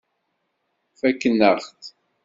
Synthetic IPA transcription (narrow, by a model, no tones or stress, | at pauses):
fækːənːəɾχt̪